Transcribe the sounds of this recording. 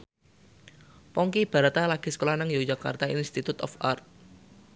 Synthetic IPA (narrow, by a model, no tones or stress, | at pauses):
pɔŋkib̥a̤ɾat̪alaɡ̥i̤sə̥kolanaŋjod͡ʒaka̰rt̪ainst̪it̪ut̪ɔ̰fa̰rt̪̚